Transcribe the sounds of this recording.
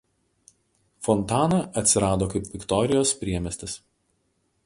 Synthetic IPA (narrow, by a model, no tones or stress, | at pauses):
fɔnt̪ɑːnɐɐt̪ʲsʲɪɾɑːd̪oːkɐɪpʲʋʲɪkt̪ɔɾʲɪjoːspʲɾʲiɛmʲɛsʲt̪ʲɪs